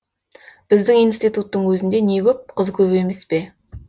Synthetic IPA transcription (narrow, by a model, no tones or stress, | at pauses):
b̥ɪzd̪ɪŋijnst̪ijt̪ut̪ːəɴwɵzɪnd̪e̞ne̞kʲɵp̚qʰəzkʲʰɵpe̞me̞spe̞